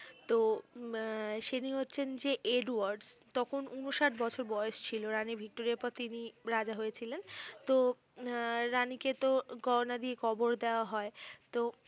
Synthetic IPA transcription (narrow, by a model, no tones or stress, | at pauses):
t̪o | ʃeniɦotːɕʰend͡ʑeʔeɖuaɾɖst̪ɔkʰonunoʃaʈbɔt͡ɕʰoɾbɔjeʃt͡ɕʰiloɾaniɾbʱik̚ʈoɾiaɾpɔɾt̪iniɾad͡ʑaɦojet͡ɕʰilent̪o | ɾaniket̪oɡɔɾonad̪iekʰɔboɾd̪eoaɦɔet̪o